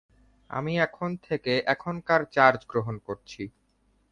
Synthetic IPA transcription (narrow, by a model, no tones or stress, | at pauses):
a̰miɛkʰont̪ʰekeʔɛkʰonkaɾt͡ɕaɾd͡ʑɡɾoɦonkoɾt͡ɕʰi